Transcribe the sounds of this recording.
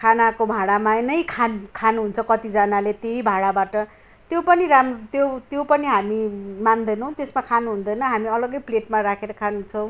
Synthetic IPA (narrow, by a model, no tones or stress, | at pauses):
kʰanakobʱaɽamaenʌjkʰankʰanuɦunt͡sʰʌkʌt̪id͡zʌnalet̪jeibʱaɽabaʈʌ | t̪jopʌniɾamt̪jot̪jopʌniɦamimand̪ʌjnʌw̃t̪esmakʰanuɦund̪ʌjnʌɦamiʌlʌɡʌjpleʈmaɾakʰeɾʌkʰanuɦunt͡sʰʌw̃